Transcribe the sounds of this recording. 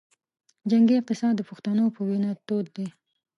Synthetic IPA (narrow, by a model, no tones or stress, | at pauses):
d͡ʒaŋɡiɪq̚t̪ɪsɑd̪ːəpʊxt̪anopəwinɑt̪od̪d̪e